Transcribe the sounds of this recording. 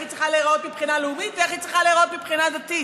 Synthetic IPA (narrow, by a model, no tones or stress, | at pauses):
it̪t͡sʁiχaleːʁot̪mipχinaleumit̪veeχit̪t͡sʁiχaleːʁot̪mipχinad̪at̪i